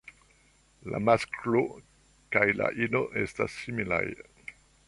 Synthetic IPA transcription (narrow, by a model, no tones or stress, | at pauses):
la̰masklo | kajla̰ʔino̞ʔe̞stasːimila̰j